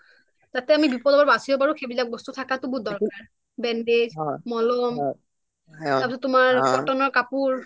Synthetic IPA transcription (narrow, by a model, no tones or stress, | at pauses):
tatɛamibipɔdɔbɔɹbasiɔbaɹuxʰebilak̚bɔstutʰakatʊbʊdɔɹkaɹ | bɛnded͡ʒmɔlɔm | aɹpisɔtːʊmaɹɡɔtɔnɔɹkapuɹ